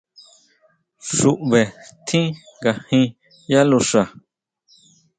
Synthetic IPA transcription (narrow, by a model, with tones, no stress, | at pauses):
ʂu˨ʔβe˨t̪ʰĩ˦ɡa˨hĩ˧ | ja˦lu˧ʂa˨